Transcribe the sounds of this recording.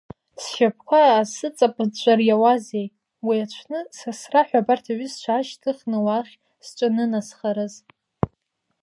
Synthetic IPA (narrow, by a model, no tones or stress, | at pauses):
sʃap̚ʰkʷʰaːsɨt͡sʼapʼt͡ʃʷʼarjawazej | wiat͡ʃʷʰnɨsasraħʷᶣabartʰaɥist͡ʃʷʰaʃtʰɨχnɨwaχʲ | sʈ͡ʂʷʼɨnɨnasχaɾɨz